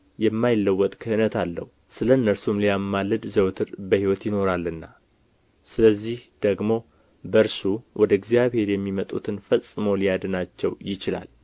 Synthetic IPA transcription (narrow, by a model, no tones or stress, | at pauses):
jɛmːajɪlːəwːɔt̪ʼkʰəhɨnət̪ʰalːə̰hu | sɨləɨnːəɾsumlijamːalːɨd̪zəwt̪ʰɨɾbəhiwɔt̪jɪno̞ɾalːɨnːa | sɨləzːihd̪̥əɡmo̞ | bəɾsuwʔɔd̪əɡzijaβhe̞ɾjɛmːimət̪ʼut̪ʰɨnfəsʼːɨmolijad̪ɨnat͡ʃːɛ̰wjɪt͡ʃɪla̰l